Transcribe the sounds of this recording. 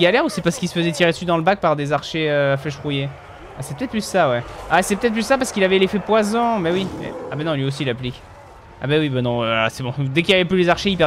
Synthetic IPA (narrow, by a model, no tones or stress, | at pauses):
ɡalɛʁusɛpaʁsə̥kilsə̥fəzɛt̪iʁed̪əsyd̪ɑ̃ləbak̚paʁd̪ezaʁʃeøflɛʃfʁuje | asɛ̥pøt̪ɛt̪̚pysːawɛasɛpøt̪ɛt̪̚plyssapaʁsə̥kilavɛlefɛpwazɑ̃mɛwiɛ̰abanɔ̃lɥios̬ilaplik | a̰bawibanɔ̃øa̰sɛbɔ̃d̪ɛkiljavɛplylezaʁʃeipɛ